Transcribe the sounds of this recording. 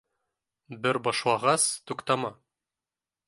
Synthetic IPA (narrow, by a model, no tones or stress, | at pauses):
bɘɾbɒʃlˠɑʁɑst̪uqt̪ɑmɑ